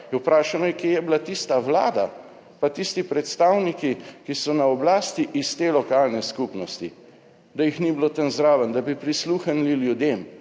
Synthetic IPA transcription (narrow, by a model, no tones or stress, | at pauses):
jɛwpɾaːʃanɔjɛkjejɛbilat̪ist̪awla̰ːd̪a | pat̪ist̪ipɾɛt̪st̪aːwnikikisɔnaɔblaːst̪iʔist̪eːlɔkaːlnɛskupnɔst̪i | d̪ajixnibilot̪ənzɾaːʋənd̪abipɾisluːxənliljud̪eːm